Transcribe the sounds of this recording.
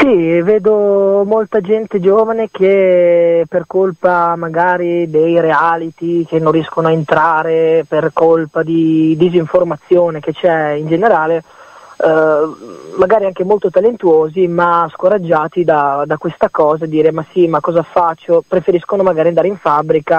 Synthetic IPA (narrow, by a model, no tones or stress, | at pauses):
siveːd̪omolt̪ad͡ʒɛnt̪ed͡ʒoːvanek̟e | perkolpamaɡaːɾid̪ejɾealit̪ik̟enːõnrːijɛskonoaent̪ɾaːɾeperkolpad̪id̪iziɱformat̪sːjoːnek̟et͡ʃɛind͡ʒeneɾaːle | aɡaːɾiaŋkemolt̪ot̪alent̪uoːzimaskoɾad͡ʒːaːt̪id̪ad̪akwest̪akɔːzad̪ːiːɾemasimakːɔːzafat͡ʃːopɾefeɾiskonomaɡaːiand̪aːɾeiɱfabːɾika